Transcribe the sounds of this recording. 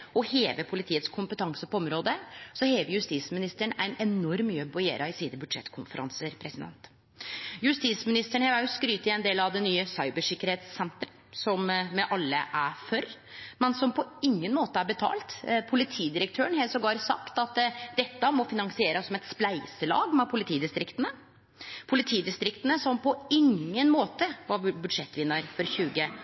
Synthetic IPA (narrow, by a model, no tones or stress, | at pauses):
ɔheːʋəpʰʊlɪt̪iːət̪skʰʊmpət̪ʰɑŋsəpɔɔmɾoːd̪əsɔheːʋəɾjʉst̪iːsmɪnɪst̪əɳæ̰ɪnɛnɔɾmyːbɔjḛːɾʔɑɪsiːd̪əbʉd̪ʂɛ̰t̪ːkʰʊnfəɾʔɑ̰nsəɾpʰɾɛsɪd̪ɛ̰nt̪ | jʉst̪iːsmɪnɪst̪əɳheːʋæɾjʊskɾyːt̪ɪɛɪnd̪eːlɑʋd̪ɛnːyːəsɑɪbəʂɪkːəɾheːt̪sːɛnt̪ɾə | sɔmmɛʔɑlːə̰ʔæfœɾ | mɛnsɔmpʰɔɪŋːənmoːt̪əæɾbət̪ʰɑ̰ːlt̪pʰʊlɪt̪ʰiːd̪ɪɾəkt̪ʰøːəɳhɛːlsɔɡɑːɾsɑ̰kt̪ɑt̪d̪ɛt̪ːəmɔfɪnɑŋsɪeːɾəssɔmɛt̪splæɪsəlɑ̰ːɡmɛpʰʊlɪt̪ʰiːd̪ɪst̪ɾɪkt̪ənə | pʰʊlɪt̪ʰiːd̪ɪst̪ɾɪkt̪ənəsɔmpʰɔɪŋːənmoːt̪əʋɑbʉd̪ʂɛt̪ːʋɪnːəɾfɔɾçʉːɡə